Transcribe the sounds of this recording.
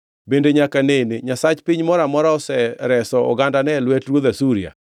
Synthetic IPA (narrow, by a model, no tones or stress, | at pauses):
bendeɲakaneneɲasat͡ʃpiɲmɔɾamɔɾaɔsɛɾɛsɔɔ̰ɡandanɛlwɛtɾwoðasuɾija̰